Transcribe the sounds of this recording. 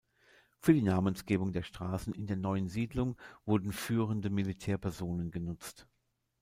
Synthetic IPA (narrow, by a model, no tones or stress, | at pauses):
fyːɐdiːnaːmənsɡ̥eːbʊŋdeːɐʃtʁ̥aːsn̩ɪndeːɐnɔʏənziːdlʊŋvʊɐdn̩fyːʁəndəmilitʰɛːɐpʰɛɐzoːnənɡənʊt͡st